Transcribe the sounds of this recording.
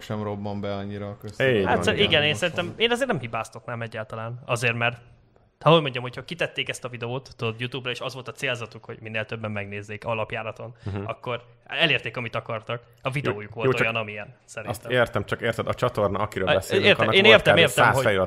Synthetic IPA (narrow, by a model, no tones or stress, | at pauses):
ʃɛmrobːɒmbɛɒɲːiɾɒkøshasɛiɡɛneːnsɛɾint̪ɛmeːnɒzeːrnɛmhibaːst̪o̞knamɛɟːaːlt̪ɒlaːnɒzeːrmɛrt̪ | hɒɦo̞ɟmo̞ɲɟɒmhocʰhɒkit̪ɛt̪ːeːkɛst̪ɒvid̪ɛoːt̪ːud̪od̪jut̪ubrɒeːʃɒzʋo̞lt̪ɒt̪seːlzɒt̪ukho̞̰ɟ̥minːeːlt̪øbːɛmːɛɡneːzːeːkɒlɒpjaːɾɒt̪o̞nɒkːo̞r | ɛleːrt̪eːkɒmit̪ɒkɒrt̪ɒk | ɒvid̪ɛoːjukʋo̞lːojɒnɒmiɛnsɛɾinst̪ɛmeːrt̪ɛmt͡ʃɒkeːrt̪ɛd̪ɒt͡ʃɒt̪o̞rnɒɒkiɾøːlbɛseːrɛːneːrt̪ɛmeːrt̪ɛmːoɛj